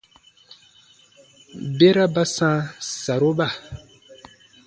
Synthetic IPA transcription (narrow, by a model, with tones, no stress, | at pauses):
be˦ɾa˦ba˦sãː˦sa˨ɾo˦ba˦˨